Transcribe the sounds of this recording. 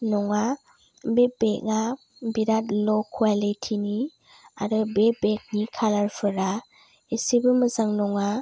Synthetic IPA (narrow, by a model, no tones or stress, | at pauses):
nɔŋa | bebeʔ̚ŋa | biɾatlɔkʰualitʰini | aɾɯbebek̚nikʰalaɾpʰɯɾa | esibɯmɯzaŋnɔŋa